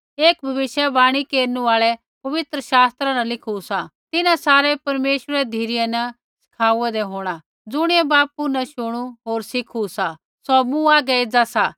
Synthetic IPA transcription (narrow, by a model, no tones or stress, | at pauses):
eːkbʱɐʋɪʃjɛbaːɽ̃ikeːɾnuaːɭɛ | pɐʋɪt̪ɾəʃaːst̪ɾanɐlɪkʰusat̪ɪnãsaːɾɛpɐɾmeːʃəɾɛd̪ʱiːɾɪjɛnɐ | sɪ̥kʰaːuɛd̪eɦoːɽ̃a | d͡zʊɽ̃iɛbaːpunɐʃʊɽ̃uɦoːɾsɪkʰusa | sɔmũaːɡɛeːd͡zasa